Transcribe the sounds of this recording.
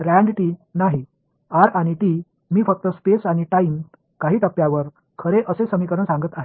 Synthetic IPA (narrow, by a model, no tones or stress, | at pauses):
ɾæ̃ɳɖʈinaɦi | aɾaɽ̃iʈi | miːfək̚t̪əspesaɽ̃iʈaim | kaɦiːt̪əpjaʋəɾ | kʰəɾeʔəsesəmikəɾəɳsãŋɡət̪aɦe